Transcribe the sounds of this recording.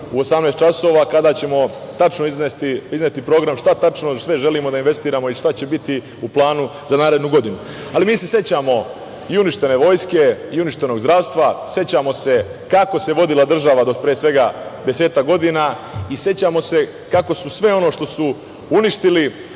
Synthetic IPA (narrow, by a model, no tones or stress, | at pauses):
uo̞samnest̪t͡ʃaso̞ʋakad̪aːt͡ɕe̞mo̞t̪at͡ʃnoiznest̪iiznet̪ipɾo̞ːɡɾamʃt̪at̪at͡ʃno̞sʋe̞ʒe̞limo̞d̪ainʋest̪iːɾamo̞iʃt̪at͡ɕe̞bit̪i | uplˠaːnuzanaːɾe̞d̪nuɡo̞d̪inu | alimiːse̞set͡ɕamo̞ | iuniʃt̪e̞ne̞ʋo̞ːjske̞iuniʃt̪e̞no̞ɡzdɾaːʋst̪ʋase̞t͡ɕamo̞se̞kako̞se̞ʋo̞d̪ilˠad̪r̩ʒaʋad̪opɾijesʋe̞ɡad̪e̞se̞ːt̪akɡo̞d̪inaise̞t͡ɕamo̞se̞ | kako̞susʋe̞o̞no̞ʂt̪o̞su | uniʃt̪ili